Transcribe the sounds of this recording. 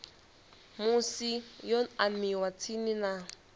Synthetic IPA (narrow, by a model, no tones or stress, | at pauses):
mʊsijɔamiwat͡sʰinɪna